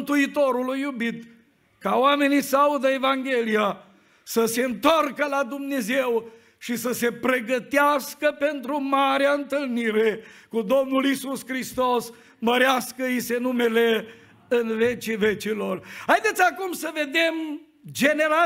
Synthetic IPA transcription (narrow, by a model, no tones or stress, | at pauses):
t̪uit̪o̞ɾulujːubit̪ | kawame̞nisəaud̪əe̞vaŋɡe̞lia | səse̞ɨnt̪o̞rkəlad̪umne̞ze̞w | ʃisəse̞pɾe̞ɡət̪easkəpe̞nt̪ɾumaɾeaɨnt̪ɨlniɾe̞kud̪o̞mnulisuskɾist̪os | məɾeaskəjise̞nume̞le | ɨnve̞t͡ʃive̞t͡ʃilo̞rhajd̪e̞t̪sʲakumsəve̞d̪e̞m | d͡ʒe̞ne̞ɾa